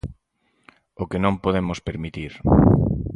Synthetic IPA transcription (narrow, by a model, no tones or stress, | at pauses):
okenõmpoðemʊspeɾmit̪iɾ